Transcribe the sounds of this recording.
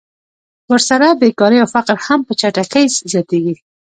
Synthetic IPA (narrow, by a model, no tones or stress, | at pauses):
wəɾsaɾabekɑɾəjawfaqɾhampət͡ʃaʈakejzzjɑt̪eɡi